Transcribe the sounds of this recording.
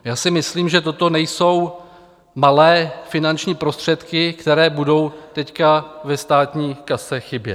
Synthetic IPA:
jaːsɪmɪsliːmʒɛt̪̬o̞t̪o̞nɛjso̞w | malɛːfɪnant͡ʃɲiːpɾo̞st̪r̝̥ɛt̪kɪkt̪ɛɾɛːbudo̞wt̪ɛckavɛst̪aːt̪ɲiːkasɛxɪbjɛ̰t̪

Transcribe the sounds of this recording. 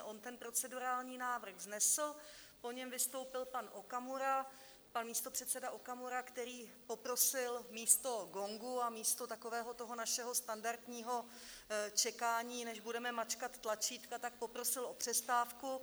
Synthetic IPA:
ʔo̞nt̪ɛnpɾo̞t͡sɛduɾaːlɲiːnaːvr̩ɣznɛsl̩po̞ɲɛmvɪst̪o̞wpɪlpanʔokamuɾa | panmiːst̪o̞pr̥ɛt̪sɛdaʔokamuɾakt̪ɛɾiːpo̞pɾo̞sɪlmiːst̪o̞ɡo̞ŋɡuamiːst̪o̞t̪ako̞vɛːɦo̞t̪o̞ɦo̞naʃɛɦo̞st̪andaɾt̪ɲiːɦo̞ | t͡ʃɛkaːɲiːnɛʒbudɛmɛmat͡ʃkat̪ːlat͡ʃiːt̪kat̪ak̚po̞pɾo̞sɪlʔo̞pr̝̥ɛst̪aːfku

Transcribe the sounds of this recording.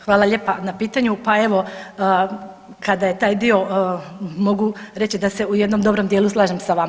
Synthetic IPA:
xʋaːlˠaʎe̞ːpanapiːt̪aɲupae̞ʋo̞əː | kad̪aje̞t̪aːjd̪io̞ | mo̞ɡuɾe̞t͡ɕid̪ase̞ujed̪no̞md̪o̞bɾo̞md̪jeːluslˠaːʒemsaʋam

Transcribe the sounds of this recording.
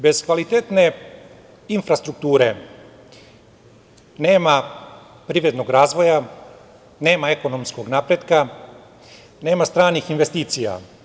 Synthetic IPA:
be̞zkʋalit̪et̪ne̞ | infɾast̪ɾuk̚t̪uːɾe̞ | ne̞ːma | pɾiʋɾed̪noɡɾaːzʋo̞ja | ne̞ːmae̞ko̞nomsko̞ɡnapɾed̪ka | ne̞ːmast̪ɾaːnixinʋe̞st̪iːt̪sija̰

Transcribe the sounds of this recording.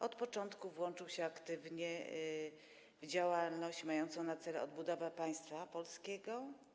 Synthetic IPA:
ɔt̪pɔt͡ʂɔnt̪kuvwɔnt͡ʂɘwɕɛakt̪ɘvɲɛ | vd͡ʑawalnɔɕt͡ɕmajɔnt̪sɔ̃w̃nat̪sɛlɛɔd̪̚bud̪ɔvapaj̃st̪fapɔlskʲɛɡɔ

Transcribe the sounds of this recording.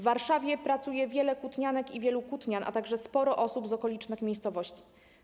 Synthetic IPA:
aɾʂavʲjɛpɾat̪sujɛvʲjɛlɛkut̪ɲanɛkivʲjɛlukut̪ɲanʔa̰t̪aɡʐɛspɔɾɔʔɔsubzɔkɔlʲit͡ʂnɘxmʲjejst̪sɔvɔɕt͡ɕi̥

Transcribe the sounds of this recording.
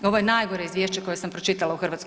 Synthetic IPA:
o̞ʋo̞je̞najɡoɾeizʋjeʃt͡ɕekoje̞sampɾot͡ʃit̪alauxrʋat̪s

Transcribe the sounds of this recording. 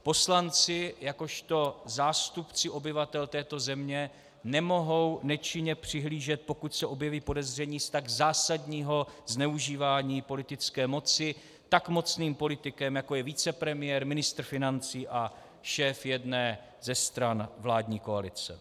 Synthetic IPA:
po̞slant͡sɪjako̞ʃt̪o̞zaːst̪upt͡sɪʔo̞bɪvat̪ɛlt̪ɛːt̪o̞zɛmɲɛ | nɛmo̞ɦo̞wnɛt͡ʃɪɲɛpr̝̥ɪɦliːʒɛt̪̚po̞kucsɛʔo̞bjɛviːpo̞dɛzr̝ɛɲiːst̪aɡzaːsadɲiːɦo̞znɛuʒiːvaːɲiːpo̞lɪt̪ɪt͡skɛːmo̞t͡sɪ | t̪akmo̞t͡sniːmpo̞lɪt̪ɪkɛmjako̞jɛviːt͡sɛpɾɛmɪjɛɾmɪnɪst̪rfɪnant͡siːʔa | ʃɛːfjɛdnɛː | zɛst̪ɾanvlaːdɲiːko̞alɪt͡sɛ̰

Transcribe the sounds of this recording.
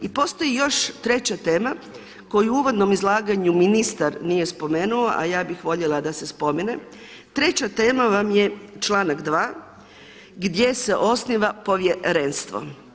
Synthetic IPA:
ipo̞ːst̪o̞jijo̞ʃt̪ɾe̞t͡ɕat̪e̞ːma | ko̞juuʋo̞d̪no̞mizlˠaːɡaɲuminist̪aɾnije̞spo̞me̞ːnuo̞ʔa̰jaːbixʋo̞ʎelˠad̪ase̞spo̞mine | t̪ɾe̞t͡ɕat̪e̞ːmaʋamje̞t͡ʃlˠaːnaɡd̪ʋaː | ɡd̪je̞se̞ʔo̞sniʋapo̞ʋjeɾenst̪ʋo̞̰

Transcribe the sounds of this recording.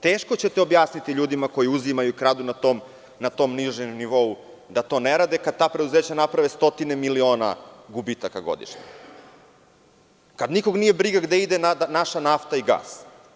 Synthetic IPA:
t̪eːʃkot͡ɕe̞t̪eobjaːsnit̪iʎuːd̪imako̞jiuzimajuikɾaːd̪unat̪om | nat̪o̞mniʒemniʋo̞u | d̪at̪o̞neɾad̪ekad̪̚t̪aːpɾed̪uzeːt͡ɕanapɾaʋest̪o̞t̪inemilio̞ːna̰ɡubit̪akaɡo̰d̪ḭʃɲḛ | kad̪niko̞ɡnije̞bɾiɡaɡd̪eid̪enanaʃanaft̪aiɡa̰ːs

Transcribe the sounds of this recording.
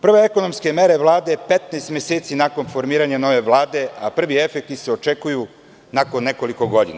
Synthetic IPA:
pr̩ʋeeko̞no̞mske̞me̞ɾe̞ʋlˠaːd̪e̞pet̪neːst̪mʲeseːt̪sinako̞nfo̞ɾmiːɾaɲano̞ʋe̞ʋlˠaːd̪e̞apr̩ʋie̞fek̚t̪iseo̞t͡ʃekuju | nako̞nːe̞ko̞liko̞ɡo̞d̪ḭna

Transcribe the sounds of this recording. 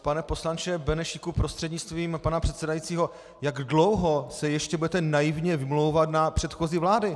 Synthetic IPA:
panɛpo̞slant͡ʃɛbɛnɛʃɪkupɾost̪r̥ɛdɲɪt͡st̪viːmpanapr̥ɛt̪sɛdajit͡siːɦo̞ | jaɡdlo̞wɦo̞sɛjɛʃcɛbudɛt̪ɛnajɪvɲɛvɪmlo̞wvat̪napr̥ɛt̪xoziːvlaːdɪ

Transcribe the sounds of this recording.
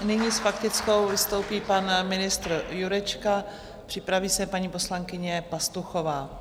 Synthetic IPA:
nɪɲisfakt̪ɪt͡sko̞wvɪst̪o̞wpiːpanmɪnɪst̪ɾjuɾɛt͡ʃka | pr̥ɪpɾaviːsɛpaɲiːpo̞slaŋkɪɲɛpast̪uxo̞vaː

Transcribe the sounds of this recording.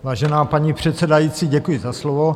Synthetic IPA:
vaːʒɛnaːpaɲipr̝̥ɛt̪sɛdajit͡siːɟɛkujɪzaslovo

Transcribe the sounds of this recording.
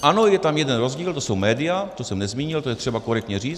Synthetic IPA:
ʔano̞jɛt̪amjɛdɛnɾo̞zɟiːlt̪o̞so̞wmɛːdɪjat̪osɛmnɛzmiːɲɪlt̪o̞jɛt̪r̝̥ɛbako̞ɾɛk̚t̪ɲɛriːt͡s̪

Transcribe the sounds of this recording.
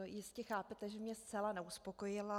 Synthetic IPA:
jɪscɛxaːpɛt̪ɛʒɛmɲɛst̪t͡sɛlanɛuspo̞ko̞jɪla

